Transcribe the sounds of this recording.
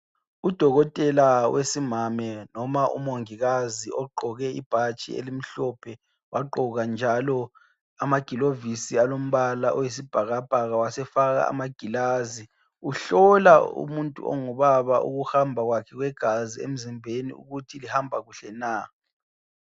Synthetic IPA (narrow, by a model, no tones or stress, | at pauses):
ud̥ʱɔɣɔtʼɛlawesimamɛnɔmaʔṵmoŋiɣaziɔɡ͡ǃʱɔɣɛḭb̥ʱat͡ʃʼḭḛlim̩ɬɔpʰɛ | wʔaɡ͡ǃǃʱɔɣand͡ʒʱalɔ | amaɡ̥ʱilovisialom̩βalaʔɔwes̬ib̥ʱaɣab̥ʱaɣawasɛfaɣa̰a̰maɡ̥ʱilazi | uɬɔlaṵmuntʼṵɔ̰ŋuβaβaʔṵɣuhambʱaɣwakʰɛɣwɛɡ̥ʱaziḛm̩zimbʱenḭṵɣutʰilihambʱaɣuɬɛna